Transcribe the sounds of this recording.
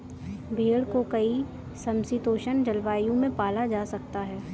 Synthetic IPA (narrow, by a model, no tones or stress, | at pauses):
bʱeːɽkokɐi | sɐ̃msɪt̪oːʃənd͡ʒɐlʋaːjõmẽpaːlad͡ʒaːsɐk̚t̪aɦɛː